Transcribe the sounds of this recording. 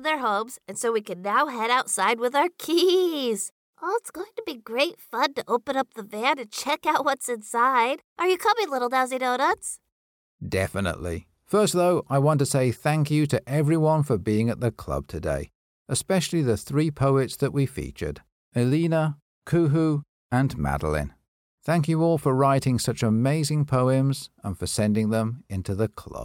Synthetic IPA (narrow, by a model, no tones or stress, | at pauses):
ðə˞ɦõʊ̃mz̥ɨ̃nsoʊwikɨ̃nːaʊɦɛɾaʊtsaɪd̚wɨðaʊə˞kʰiiz̥ | ʔɔlˠtsɡ̥oʊɪ̃ŋtəbiɡɹeɪtfʌ̃dtɨʔoʊpə̃nʌp̚ðəvæ̃nɨ̃t͡ʃʰɛkaʊʔ̚wʌtsɨ̃nsaɪdʔə˞jɨkʰʌbilɪɾl̩ˠdaziɾoʊɾəts | d̥ɛ̰fɨnə̰ʔlḭ | fɜ˞st̪̚ðoʊʔaɪwɑ̃ntɨseɪθæ̃ŋkjɨɾɨʔɛvɹiwʌ̃nfə˞biɪ̃ŋɨt̪̚ðɨkʰl̥ʌ̰b̚tʰɨdḛɪ | ʔɨspɛʃl̩ˠiðɨθɹipʰoʊɨtsðɨʔwifḭt͡ʃə̰˞d | ɨlĩnə | kʰʉɦu | ɨ̃nmæ̰dəl̩ˠɪ̰̃n | θæ̃ŋk̬jɨɔlˠfə˞ɹaɪɾɪ̃ŋsʌt͡ʃəmeɪzɪ̃ŋpʰoʊɨ̃mzə̃nfə˞sɛ̃ndɪ̃ŋðə̃mɪ̃ntʰʉðɨkʰl̥ʌ̰b̥